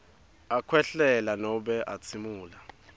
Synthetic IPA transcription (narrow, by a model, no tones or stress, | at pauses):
akʰwɛɬɛlanɔɓɛʔat͡sʰimuːla